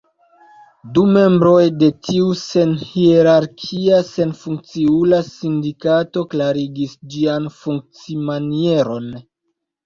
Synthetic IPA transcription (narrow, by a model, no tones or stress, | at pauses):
dume̞mbɾo̞jde̞tʰiuse̞nhieɾaɾkʰiase̞nfuŋk̚t͡siulasindikato̞klaɾiɡisd͡ʒianfuŋk̚t͡simanie̞ɾo̞n